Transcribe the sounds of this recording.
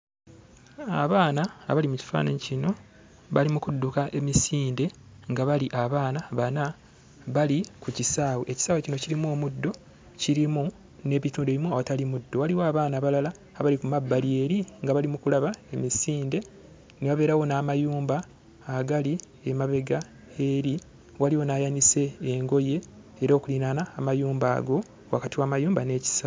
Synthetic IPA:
a̰βaːnaːβalimuci̥fa̰ːnaɲicino̞ | βalimukudːukaʔe̞misiːnde̞ŋɡaβaliʔaβaːnaβana | βalikucisaːweʔeci̥saːwecino̞ciɾimoːmudːo̞ | ciɾimu | ne̞ːβituːndeβimuawatalimudːo̞waliwaaβaːnaβalalaː | βalikumabːalie̞ɾiŋɡaβalimukulaβaemisiːnde̞ | neβaβe̞ːɾawo̞naːmajuːmbaː | ɡali | emaβe̞ɡa | e̞ɾi | waliwo̞naːjanise̞ːŋɡo̞je̞ː | ɾoːkulinanaːmajuːmba̰ːɡo̞ | wakatiwaːmajuːmbane̞ːci̥saw

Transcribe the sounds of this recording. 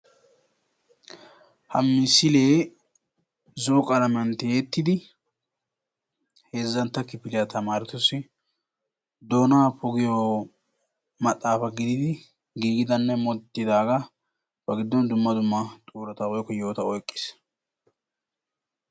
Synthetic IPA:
hɐmːɪsɪle̞ː | zɔkʼɐlɐmɐnt̪eːt̪ːɪd̪ɪ | he̞ːzːɐnt̪ːɐkɪpɪlɪjɐt̪ɐmaːɾɪt̪ɔsɪ | d̪oːnaːpɔɡɪjɔ | mɐt̪ʼːaːfɐɡɪd̪ɪd̪ɪ | ɡiːɡɪd̪ɐnːɛmɔt̪ːɪd̪aːɡɐ | bɐɡɪd̪ːɔnd̪ʊmːɐd̪ʊmːɐt̪ʼuːɾɐt̪ɐɔjkːɔjo̞ːt̪ɐɔjkʼːɪ̥s

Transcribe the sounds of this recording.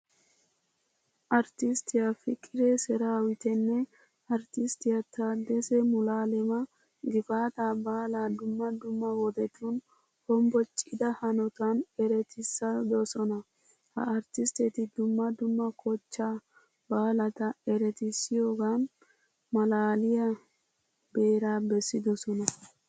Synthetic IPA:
ʔɐɾt̪ɪst̪ɪjafɪkʼːɪɾesɛɾaːwɪt̪ɛnːɛ | ɐɾt̪ɪst̪ɪjɐt̪aːd̪ɛsɛmʊlaːlɛmɐ | ɡɪfaːt̪abaːlaːd̪ʊmːɐd̪ʊmːɐwɔd̪ɛt̪uːn | hɔmbɔt͡ʃʼɪd̪ɐhɐnɔt̪anɛɾɛt̪ɪsɐd̪ɔsɔnɐ | hɐ̰ɐɾt̪ɪst̪ɛt̪ɪd̪ʊmːɐd̪ʊmːɐkʰɔt͡ʃːaː | baːlɐt̪ɐɛɾɛt̪ɪsːɪjoːɡaːn | mɐlaːlɪjɐ | be̞ːɾaːbɛsːɪd̪ɔsɔnɐ

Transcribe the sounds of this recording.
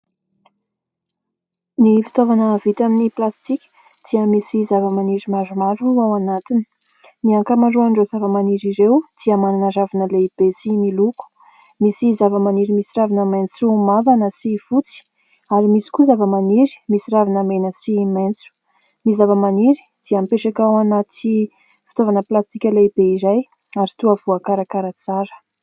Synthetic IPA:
nifi̥t̪ovanəvit̪aminiplast̪ikʲi̥ | t̪iəmisizavəmaniɾimaɾumaɾuawanat̪ini̥ | niaŋkəmaɾuaɳɖ͡ʐozavəmaniɾiɾewt̪iamananəzavanəleb̥esimiluku̥ | misizavəmaniɾimisiɾavinəment͡sumavanəsifut͡si̥ | aɾimisi̥kuzavəmaniɾi̥misiɾavinəmenəsiment͡su̥ | mizavəmaniɾi̥ | d̪̥iampeʈ͡ʂakawanat̪i | fi̥t̪ovanəplast̪ikʲəlebeiɾaj | aɾit̪uavuakaɾakaɾət͡saɾə̥

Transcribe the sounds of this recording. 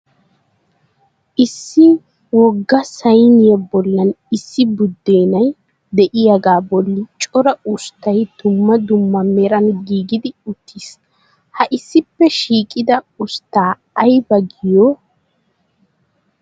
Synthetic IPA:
ʔɪsːɪ | wɔɡːɐsɐjnɪjɐbɔlːɐnɪsːɪbʊd̪ːeːnɐj | d̪ɛʔɪjɐɡaːbɔlːɪt͡ʃʼɔɾɐʊst̪ɐjd̪̥ʊmːɐd̪ʊmːɐmɛɾɐnɡiːɡɪd̪ɪʊt̪ːiːs | hɐʔɪsːɪpːɛʃiːkʼɪd̪ɐʊst̪ːaː | ɐjbɐɡɪjɔ

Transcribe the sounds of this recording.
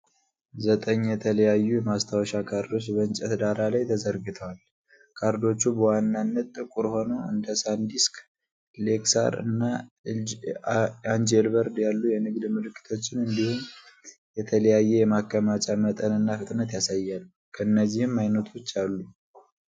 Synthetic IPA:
zət̪ʼəɲːjɛt̪ʰələjajːujɛmast̪ʰawʃakʰaɾd̪o̞t͡ʃːbəɨnt͡ʃʼɛt̪d̪aɾalajt̪ʰəzəɾɡɨt̪ʰəwal | kʰaɾd̪o̞t͡ʃːubəwanːanːət̪ʼːɨkʼuɾho̞nəɨ̰nd̪əsand̪isk | le̞ksa̰ɾɨ̰nːa | and͡ʒelbəɾd̪jalːujɛnɨɡd̪mɨlɨkːɨ̥t̪ʰo̞t͡ʃːɪnɨnd̪ihumjɛt̪ʰələjajːɛjɛmakːəmat͡ʃʼamət̪ʼənɨnːafɨt̪ʼnət̪jasajːalːukʰəɨnːəzːihɨmːajnət̪ʰuʊt͡ʃːalːu

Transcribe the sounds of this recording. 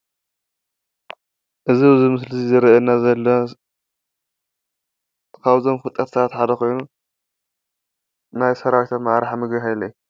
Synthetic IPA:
ʔɨzibɨzimɨslɨzizɨɾʔɐnːazɐlːɐ | kʰaβzo̞mfɨt̪ʼɐt̪sat̪ħad̪ɐko̞jnu | najsɐɾawt̪ʰamaʔɾaħmɨɡɐɦajlɐj

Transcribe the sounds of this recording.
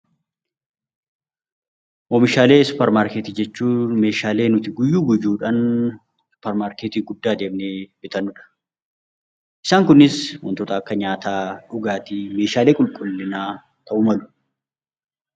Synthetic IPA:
ʔɔmɪʃaːleːsʊ̥pɛɾmaːɾket̪iːd͡ʒɛt͡ʃːuːme̞ːʃaːle̞ːnʊt̪ɪɡʊjːuːɡʊjuːᶑɐn | sʊ̥pːɛɾmaːɾkeːt̪iːɡʊd̪ːaːd̪e̞ːmneːb̥ɪt̪ɐnʊᶑɐ̥ | ʔɪ̥saːŋkʊnɪswɔ̰nt̪ɔt̪ɐɐkːɐɲaːt̪aːᶑʊɡaːt̪ime̞ːʃaːle̞ːkʼʊlkʼʊlːɪnaː | t̪ɐʔʊmɐlʊ̥

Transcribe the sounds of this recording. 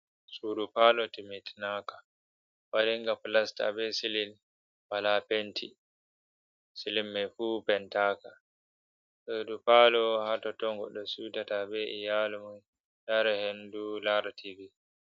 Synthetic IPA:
sudupaːlɔtimitnaːkḁ | waɾiŋɡaplasta̰bɛsilin | balapentʰi | silimːɛfuːpɛntaːka | ʔedupalɔhatɔtɔŋɡɔ̰ɗɔsutatabɛʔijalumun | daɾɛhendulaɾtʰivi

